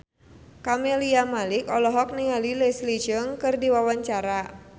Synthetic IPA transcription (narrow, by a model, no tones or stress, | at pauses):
kameliamalɪkɔlɔɦɔk̚niŋalilɛslid͡ʒəŋkɨrdiwawaɲt͡ʃaɾa